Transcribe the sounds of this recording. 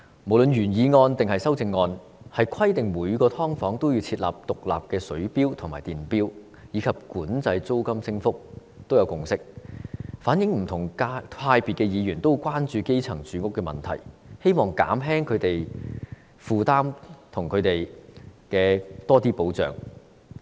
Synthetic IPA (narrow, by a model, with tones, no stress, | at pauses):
mo˨˩wlɵ˨˧njyː˨˩njiː˨˧ŋɔː˧nt̪ɪ˨ŋhɐ˨jsɐ˥wt͡sɪ˧ŋːɔː˧n | hɐ˨jkʰɐ˥jt̪ɪ˨ŋmuː˨˧jkɔː˧t̪ʰɔː˥ŋfɔː˨˥ŋt̪o˥wjiː˧t͡sʰiː˧t̚la̰ː˨p̚t̪ʊ˨k̚la̰ː˨p̚kɛː˧sɵ˨˥ɥpiː˥wt̪ʰʊ˨˩ŋmaː˨˩jt̪iː˨˩npiː˥w | jiː˨˧kʰɐ˨p̚kuː˨˥nt͡sɐ˧jt͡so˥wkɐ˥msɪ˥ŋfʊ˥k̚ | t̪o˥wjɐ˨˧wkʊ˨ŋsɪ˥k̚ | faː˨˥njɪ˨˧˥ŋm̩˨˩t̪ʰʊ˨˩ŋka˥aː˧jpiː˨t̚kɛ˧jiː˨˧jyː˨˩nt̪o˥wkwaː˥nt͡ʃyː˧ke˥jt͡sʰɐ˨˩ŋt͡syː˨˧˥kʊ˥kːɛː˧mɐ̰˨˩nt̪ʰɐ̰˨˩jhe˥jmɔː˨ŋka̰ː˨˥mɦɛː˥ŋkʰɵ˨˧ɥt̪e˨j | fuː˨t̪aː˥mt̪ʰʊ˨˩ŋkʰɵ˨˧t̪e˨jkɛː˧t̪ɔː˥t̪iː˥po˨˥wt͡sœ̰ː˨˩ŋ